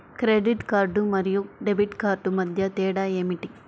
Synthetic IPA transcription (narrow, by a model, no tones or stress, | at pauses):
kɾeɖiʈkaːɾɖumɐɾijuɖebʱiʈkaːɾɖumɐd̪ʱjɐt̪ɛːɽaeːmiʈi